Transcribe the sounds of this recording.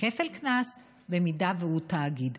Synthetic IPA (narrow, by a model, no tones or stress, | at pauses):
kefelknas | bemidaveutaːɡid̪